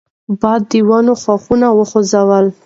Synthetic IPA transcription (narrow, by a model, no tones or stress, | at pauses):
bɑd̪ːiwɑnoxwaxunawəxozawəl